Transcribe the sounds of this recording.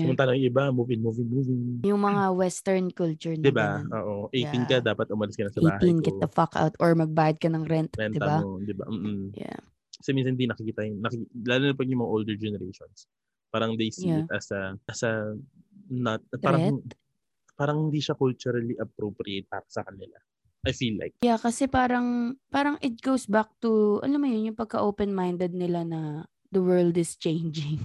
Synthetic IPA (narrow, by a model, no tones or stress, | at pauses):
jʊŋt̪aːnoŋʔɪbamuːvɪnmuvɪnmuːvɪŋjʊŋmɐŋawɛst̪ɛɹnkult͡ʃʊɹnd̪ɪbao̰ːʔoʔɛjt̪ɪŋkɐd̪aːpɐt̪ʔʊmɐlɪskɐnɐsɐbaːɦt̪ɪjnkɐt̪ɐfaka̰wt̪ʔoɹmɐɡ̚baːjɐd̪̚kɐnɐŋɾɛnt̪ɐnd̪ɪbad̪ɪbɐ̰m̩ːʔm̩ja̰ | sɐminsɐnhɪd̪inɐkɪkiːt̪ajnnɐkɪlaːlʊnɐpɐɡjʊŋmɐŋaʔold̪ɛɹd͡ʒɛnɛɾejʃons | paːɾɐŋd̪ejsiɐsɐɐsɐ | nɐt̪̚aːɾɐɛ | paːɾɐŋhɪnd̪iːʃakʊlt͡ʃuɾɐliʔɐp̚ɾopɾɪejt̪̚paːɾɐsɐkɐnɪla̰ | ʔajfiːlːa̰jk̚jakɐsɛpaːɾɐŋpaːɾɐŋʔɪt̪̚ɡ̥owsbak̚t̪uʔɐ̰lamːɐjʊnjʊŋpɐɡ̚kɐʔoːpɛnmajnd̪ɛd̪̚nɪlanɐ | d̪̥ɐwɜ˞ld̪ɪst͡ʃẽjnd͡ʒɪŋ